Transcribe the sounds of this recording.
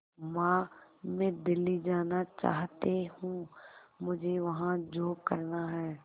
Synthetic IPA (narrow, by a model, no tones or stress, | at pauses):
mãːmɛ̃d̪ɪlːid͡ʒaːnat͡ʃa̰ːɦt̪ehũːmʊd͡ʒʱeʋɐɦãd͡ʒoːkɐɾnaɦɛː